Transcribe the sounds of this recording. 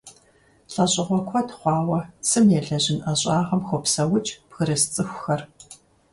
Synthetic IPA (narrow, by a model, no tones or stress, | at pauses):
ɬʼɐɕʼɪʁʷɔkʷʰɔtχʷɑːwɐsɨmjɛɮɐʑɪnʔɐɕʼaːʁɐmxʷɔpsɐwʊt͡ʃʼpxɨɾɐst͡sʼɨxʷxɐr